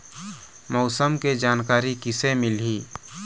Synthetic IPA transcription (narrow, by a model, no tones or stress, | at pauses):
mɔʊsəmked͡ʒaːnkaːɾikɪsemɪlɦiː